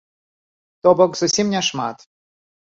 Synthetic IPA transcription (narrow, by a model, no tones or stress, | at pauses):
t̪ɔbɔkzʊsʲimnʲɛʂma̰t̪